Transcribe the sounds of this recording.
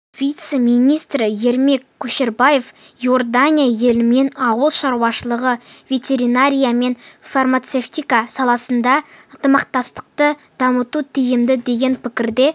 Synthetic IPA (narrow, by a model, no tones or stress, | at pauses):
v̥ʲijt̪se̞mijnʲijst̪ɾɪje̞ɾme̞kʲʰːɵʃe̞ɾbaje̞fjo̞rd̪anʲijaje̞lɪme̞nɑwəlˠʃɑɾuwɑʃəlˠəʁəvʲe̞t̪ʲe̞ɾinaɾʲijame̞nfarmat̪seft̪ijkasɑlˠɑsənd̪ɑənt̪əmɑq̚t̪ɑst̪ə̥q̚t̪əd̪̥ɑmət̪ut̪ʰijɪmd̪ɪd̪e̞ɡʲenpɪkʲɪɾd̪e̞